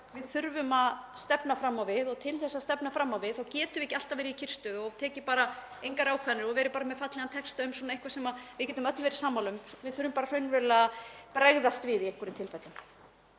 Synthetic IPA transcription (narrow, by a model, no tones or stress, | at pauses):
vɪðθʏɾvʏmaðst̪ɛpnafɾamːawvɪðɔɣt̪ʰɪlθɛsːast̪ɛpnafɾamːawvɪðθawcɛːt̪ʏvɪehcɪal̥t̪avɛːɾiicʰɪr̥st̪ʏɣɔt̪ʰɛːcɪpaːɾa | ejŋkaɾawkʰvaðnɪɾɔɣvɛːɾʏpaːɾamɛðfat̪lɛɣant̪ʰɛkst̪aʏmswɔnaẽŋkvasɛmavɪðcɛːt̪ʏmœt̪nvɛːɾɪ̥saːmawlʏmvɪðθʏɾvʏmpaːɾar̥œɥnvɛlapɾɛɣðast̪vɪðiejŋkʏɾʏnt̪ʰɪlfajt̪lʏm